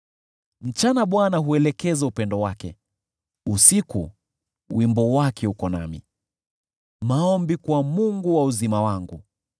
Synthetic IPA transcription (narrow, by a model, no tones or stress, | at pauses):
m̩t͡ʃanaɓwanaɦuɛlɛkɛzaupɛndɔwakɛ̰ | usikṵ | wimbɔwakʰɛhukɔna̰mḭ | maɔmbikwamuŋɡuwauzimawaŋɡṵ